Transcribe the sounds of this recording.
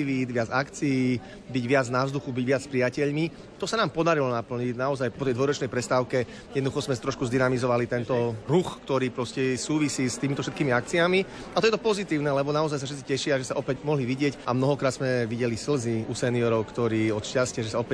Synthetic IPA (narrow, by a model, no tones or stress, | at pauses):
iʋiːd̪ʋɪad͡zakt͡siiː | biɟʋɪad͡znaʊzd̪uxubiɟʋɪat͡sspɾijacɛʎmi | t̪ɔsanaːmpɔd̪aɾilɔnapl̩ɲiɟnaɔzajpɔt̪ɛjd̪ʋɔjɾɔt͡ʃnɛjpɾɛst̪aːʊkɛ | jɛd̪nɔd̪uxɔzmɛt̪ɾɔʃkuzd̪inamizɔʋalit̪ɛnt̪ɔɾuxkt̪ɔɾiːpɾɔscɛsuːʋisiːst̪iːmit̪ɔfʃɛt̪kiːmiak̚t͡siami | at̪ɔjɛt̪ɔpɔzit̪iːʊnɛlɛbɔnaɔzajs̬afʃɛt̪t͡sicɛʃɪaʒɛsaʔɔpɛɟmɔɦliʋiɟɪɛcʔamnɔɦɔkɾaːt̪z̥mɛʋiɟɛlisl̩ziusɛniɔɾɔʊkt̪ɔɾiːɔt̪ʃcascɪaʒɛsaɔpɛ